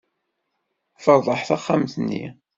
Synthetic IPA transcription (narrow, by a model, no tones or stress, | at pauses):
fəɾˤðˤəħθaχːamθənːḭ